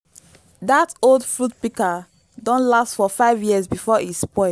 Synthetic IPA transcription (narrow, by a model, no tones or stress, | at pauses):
datolˠdfɹut̚pika | dɔ̃nlastfɔfaɪvjiəzbifɔispɔɪ